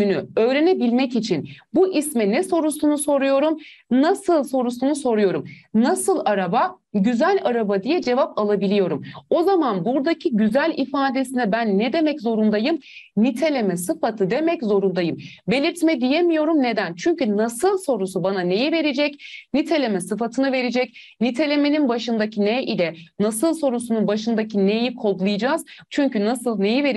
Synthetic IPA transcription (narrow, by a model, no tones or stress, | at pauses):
ynyø̞jɾenɛbilʲmɛcit͡ʃʰinbuʔismɛnɛso̞ɾusunuso̞ɾujo̞ɾumnasɯlˠso̞ɾusunuso̞ɾujo̞ɾumnasɯlˠaɾaba | ɟyzælʲaɾabad̪ijɛd͡ʒe̞vapalˠabilʲijo̞ɾumo̞zamanbuɾd̪acʰiɟyzælʲifaːd̪e̞sinɛbænːɛd̪e̞mɛczo̞ɾund̪ajɯmnit̪ʰe̞lʲe̞mɛsɯfat̪ʰɯd̪e̞mɛczo̞ɾund̪ajɯmbe̞lʲiɾt̪mɛd̪ije̞mijo̞ɾumne̞d̪ænt͡ʃʰyɲcynasɯlˠso̞ɾusubanane̞jive̞ɾed͡ʒɛcnit̪ʰe̞lʲe̞mɛsɯfat̪ʰɯnɯve̞ɾed͡ʒɛc | nit̪ʰe̞lʲe̞meninbaʃɯnd̪acʰinɛʔilʲɛnasɯlˠso̞ɾusununbaʃɯnd̪acʰine̞jikʰo̞lɡlˠɯjɯd͡ʒaːz̥t͡ʃʰyɲcynasɯlˠne̞jiveɾ